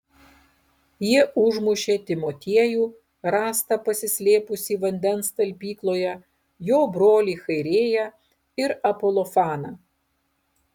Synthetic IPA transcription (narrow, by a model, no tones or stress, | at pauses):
jiɛʔʊʒmʊʃʲeːt̪ʲɪmot̪ʲiɛjuː | ɾɑːst̪ɐpɐsʲɪsʲlʲeːpʊsʲiːʋɐnʲd̪ʲɛnst̪ɐlʲpʲiːklˠoːjɛ | joːbɾoːlʲiːxɐɪɾʲeːjɛ | ɪɾɐpolˠɔfɑːnɐ